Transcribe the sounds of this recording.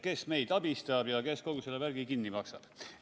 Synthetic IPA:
kesme̞jd̪̥ɑb̥ist̪ɑb̥jɑke̞sko̞ɡ̥uselːevæɾɡ̥ikinːimɑksɑb̥

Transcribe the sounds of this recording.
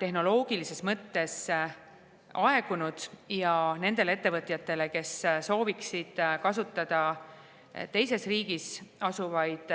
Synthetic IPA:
t̪e̞ɦno̞lo̞ːɡ̥ilise̞smɤt̪ːe̞s | ʔɑe̞ɡ̥unud̪̥jɑne̞nd̪e̞lee̞t̪ːe̞vɤt̪ˑjɑt̪ːe̞le̞ke̞sso̞ːviksid̪̥kɑsut̪ːˑɑd̪̥ɑ | t̪e̞jse̞sriːɡ̥isɑsuvɑjd̪̥

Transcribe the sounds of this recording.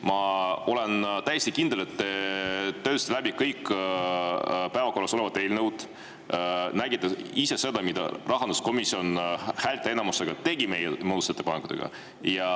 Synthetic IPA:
mɑo̞le̞nt̪æjest̪ikind̪ele̞t̪ːet̪ːøst̪læbikɤjk | pæevɑko̞rlɑso̞le̞vɑt̪ˑːelnewd̪̥ | næɡit̪ːˑɑise̞se̞d̪ɑmid̪̥ɑ̰rɑɦɑnd̪usko̞misio̞nhæːlʲt̪ːˑeenɑmust̪eɡ̥ɑt̪e̞ɡ̥ime̞jemoːd̪use̞t̪ːepɑnekut̪ḛɡ̥ɑ̰ | jɑ

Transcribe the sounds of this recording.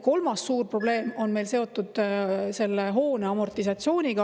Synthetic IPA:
ko̞lmɑsːuːrpro̞b̥le̞ːmo̞nme̞jlse̞o̞t̪ːˑud̪̥se̞lːeɦo̞ːneɑmo̞rt̪isɑt̪sio̞ːnʲiɡ̥ɑ

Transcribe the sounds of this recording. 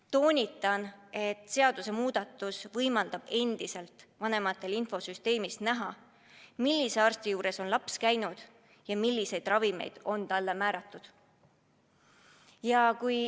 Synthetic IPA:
t̪o̞ːnʲit̪ːˑɑne̞t̪ˑse̞ɑd̪̥use̞muːd̪̥ɑt̪ːˑusvɤjmɑld̪̥ɑb̥e̞nd̪̥ise̞lt̪ˑvɑne̞mɑt̪ːˑe̞linfo̞syst̪e̞ːmisnæɦɑ | milʲːiseɑrst̪ijuːɾe̞so̞nlɑpskæjnud̪̥ | jɑmilʲːise̞jd̪̥rɑvime̞̰jd̪̥o̞nt̪ɑlːe̞mæːɾɑt̪ˑːud̪̥ | jɑkuj

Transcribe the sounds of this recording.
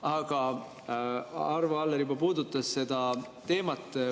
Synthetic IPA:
ɑɡ̥ɑ | ɑrvɑɑlːeɾjubɑpuːd̪ut̪ːˑɑsse̞d̪̥ɑ | t̪e̞ːmɑt̪ːˑ

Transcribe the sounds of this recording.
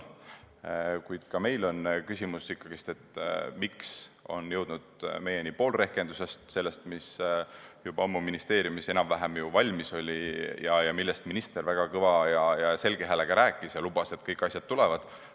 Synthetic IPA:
kujd̪̥kɑme̞jlo̞nkysʲimusikːɑɡ̥ist̪e̞t̪ːˑmikso̞njɤwd̪̥nud̪̥me̞je̞nipo̞ːlre̞hke̞nd̪use̞st̪se̞lːe̞st̪mis | jubɑomːuminist̪e̞ːɾjumise̞nɑmvæɦæmjuvɑlʲmiso̞lʲijɑjɑmilːest̪minist̪e̞ɾvæɡ̥ɑkɤvɑjɑjɑse̞lɡ̥eɦæleɡ̥ɑɾæːkːˑisjɑlub̥ɑse̞t̪ːˑkɤjkːˑɑsʲjɑd̪̥̚t̪ulɛvɑd̪̥

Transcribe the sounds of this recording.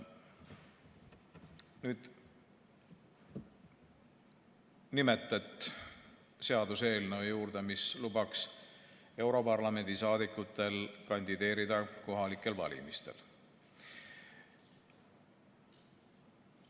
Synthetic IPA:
nyːd̪̥ | nime̞t̪ːˑɑt̪ːˑ | se̞ɑd̪use̞ːlneojuːɾd̪̥emislubɑks | e̞wɾo̞pɑrlɑme̞nʲd̪̥isɑːd̪̥ikˑːut̪ːˑe̞lkɑnʲd̪id̪e̞ːɾid̪̥ɑko̞ɦɑlikːˑe̞lvɑ̰lʲḭmist̪e̞̰l

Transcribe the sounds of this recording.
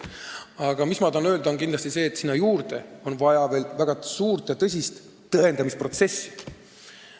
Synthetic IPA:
ɑɡ̥ɑmismɑd̪ɑnø̞ːld̪o̞nkind̪lɑst̪ise̞ːt̪ːsinːɑjuːrd̪̥e̞̰o̞nvɑjɑve̞ːlvæɡ̥ɑsuːrt̪ˑjɑt̪ɤs̬ʲist̪ː | ɤe̞nd̪ɑmispro̞t̪se̞sːi̥

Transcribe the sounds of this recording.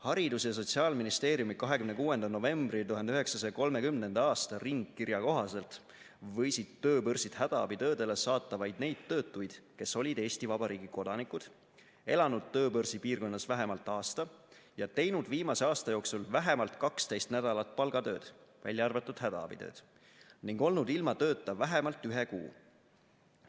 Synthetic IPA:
hɑɾid̪usjɑs̬o̞t̪ʲsiɑːlminist̪e̞ːɾjumikɑɦe̞kymnekuːwe̞nd̪̥ɑno̞ve̞mbrit̪uɦɑnd̪eyɦe̞ksɑsɑjɑko̞lme̞kymne̞nd̪̥ɑɑːst̪ɑriŋɡ̥kirjɑko̞ɦɑse̞lt̪ | vɤ̞jsid̪̥t̪ːøːpɤrsid̪̥hæd̪ɑɑ̰bit̪øːd̪e̞lesɑːt̪ːˑɑvɑjd̪̥̚ne̞jd̪̥̚t̪ːøːt̪ːˑujd̪̥ke̞sːo̞lʲid̪e̞ːsʲt̪ivɑb̥ɑɾiːɡ̥iko̞d̪̥ɑnikud̪̥ | e̞lɑnud̪̥̚t̪øːpɤrsipiːrko̞nːɑsvæɦemɑlt̪ːˑɑːst̪ɑjɑt̪e̞jnud̪̥viːmɑse̞ɑːst̪ɑjo̞ːksulvæɦe̞mɑlt̪kɑkst̪e̞jst̪næd̪̥ɑlɑt̪̚ˑpɑlɡ̥ɑd̪ø̞ːd̪̥væ̰lʲjɑɑrvet̪ːˑud̪̥ɦæd̪ɑ̰ɑ̰b̥it̪ø̰ːd̪̥ | niŋɡ̥o̞lnud̪̥ilmɑt̪ø̞ːt̪ˑːɑvæɦemɑlt̪ːˑyɦe̞kṵː

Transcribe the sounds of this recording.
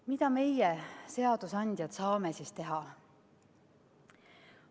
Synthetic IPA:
mid̪̥ɑme̞jese̞ɑd̪̥usɑnʲd̪̥jɑt̪sɑːmesist̪e̞ɦɑ

